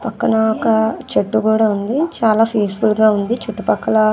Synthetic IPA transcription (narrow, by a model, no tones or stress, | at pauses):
pɐkːɐnɐɔkɐt͡ʃeʈːukuːɽaːund̪it͡ʃaːlaːpʰiːsfulɡaːund̪it͡ʃuʈːupɐkːɐlɐ